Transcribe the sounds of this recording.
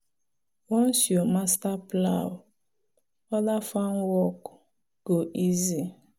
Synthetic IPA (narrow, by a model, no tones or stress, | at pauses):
wɔ̃nsjɔmastaplaw | ɔlafãnwɔk | ɡ̥oʔizi